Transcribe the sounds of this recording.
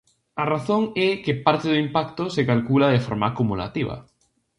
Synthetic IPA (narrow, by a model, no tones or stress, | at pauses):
araθoŋɛkepaɾt̪eðʊimpakt̪osekalkulaðefoɾmaːkumula̰t̪iβ̞a̰